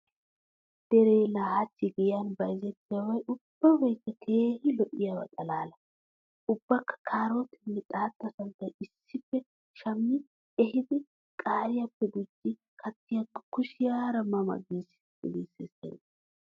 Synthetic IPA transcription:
d̪̥ɛɾeːlaːhɐt͡ʃːɪɡɪjɐnbɐjzɛt̪ːɪjɐwɐjʔʊb̥ːɐbɛjkːɐkʰeːhɪlɔʔɪjɐwɐ̰t̪ʼɐlaːlɐ | ʔʊbːɐkːɐ̥kʰaːɾot̪ɪnːɛt̪ʼaːt̪ːɐsɐnt̪ːɐjɪsːɪfːɛ | ʃɐmːɪ | ɛhɪd̪ɪ | kʼaːɾɪjɐpːɛɡ̪ʊd͡ʒːɪ | kʰɐt̪ːɪjɐkːɐkʊʃɪjaːɾɐmɐmɐ̰ɡiːs | ɡɪ̰liːsɛsɛ̰n

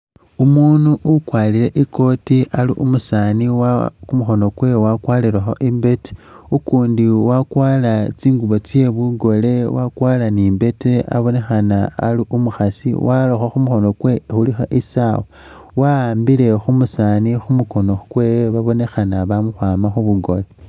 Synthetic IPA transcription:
umuːnuʔukwalile̞ʔiko̞tialiʔumusaːniwakumuxo̞no̞kwe̞wakwaːliɾaxo̞ʔimbe̞te̥ukuːndiwakwaːlat͡siːŋɡuβo̞t͡sje̞βuɡo̞le̞wakwaːlaniːmbe̞tea̰βo̞ne̞xanaːliʔumuxasḭwʔaloxaxumuxo̞no̞kwe̞xulixo̰ʔisawo | waaːmbile̞xumusaːnixumuko̞no̞kweβaβo̞ne̞xanaβamuxwaːmaxuβuɡo̞le̞

